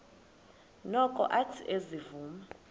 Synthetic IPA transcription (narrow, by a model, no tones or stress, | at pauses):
nɔkʼɔ̰ʔatʰiʔezivuːma